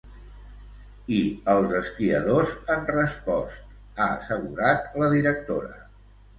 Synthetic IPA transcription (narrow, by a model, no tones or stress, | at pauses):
iəlˠzəskiə̰ðozənrəspɔst̪̚ | aə̰səɣuɾat̪ləðiɾək̚t̪oɾə̰